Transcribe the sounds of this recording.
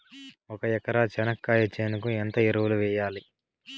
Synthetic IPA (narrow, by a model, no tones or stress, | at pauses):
ɔkɐjɛkɐɾaːt͡ʃɛnɐkːaːjɐt͡ʃːeːnd̪ukuent̪ɐiɾɐwuluʋɛːjaːli